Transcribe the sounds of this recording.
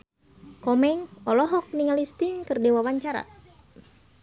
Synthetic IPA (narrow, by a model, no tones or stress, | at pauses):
kɔmɛŋɔlɔɦɔk̚niŋalist̪iŋkɨrdiwawaɲt͡ʃaɾa̰